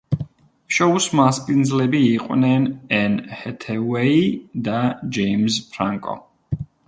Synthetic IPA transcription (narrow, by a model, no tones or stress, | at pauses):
ʃɔusmaspʼind̪zlɛbiːqʼwnɛnɛnhɛt̪ʰɛwɛid̪ad͡ʒɛimspʰɾa̰ŋkʼɔ̰